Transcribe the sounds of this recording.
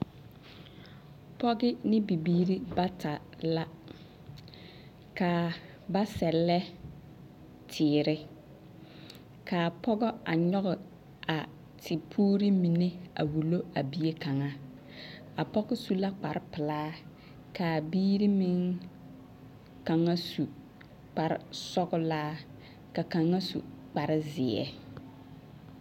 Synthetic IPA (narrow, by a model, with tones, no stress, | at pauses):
pɔ˦ɡɪ˦nɪ˦bi˨biː˦ɾi˦ba˦tʰa˨la˦ | ka˨ | ba˦sɛ˨lːɛ˦ | tʰɪː˨ɾɪ˦ | kʰaː˨pʰɔ˦ɡɔ˦a˨ɲɔ˦ɣɔ˨ | a˨ | tʰɪ˨pʰuː˦ɾi˦mi˨ne˦a̰˨wu˨lo˦a˨bi˦e˦ka˨ŋa˦ | a˨pɔ˦ɡɔ˦su˦la˦k͡pa˨ɾɪ˦pɪ˨laː˦ | ka˨biː˦ɾi˦mi˦ŋ | ka˨ŋa˦su˨ | k͡pa˨ɾɪ̰˨sɔ˦ɡʊ˦laː˦ | ka˨ka˨ŋːa˦sṵ˨k͡pa˨ɾɪ˦zɪ˨ɛ̰˨